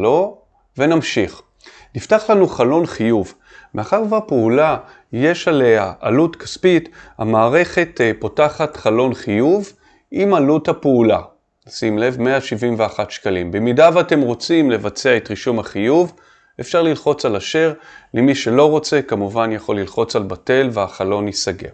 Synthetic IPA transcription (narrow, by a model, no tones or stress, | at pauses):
lo | ve̞namʃiχ | niftaχlanuχalo̞nχijuv | meaχaʁvapeula | je̞ʃale̞haʔa̰lutkaspita̰maːʁe̞χe̞tpotaχatχalo̞nχijuv | imaluthapeula̰ | nasimle̞vme̞aʃivimveaχatʃkalimbemidavate̞mʁo̞t͡simle̞vat͡seaetʁiʃumaχijuv | efʃaʁlilχo̞t͡salaʃe̞ʁlemiʃe̞lo̞ʁo̞t͡se̞kamuvanjaχo̞lːilχo̞t͡salbate̞lveaχalo̞nisaɡe̞̰v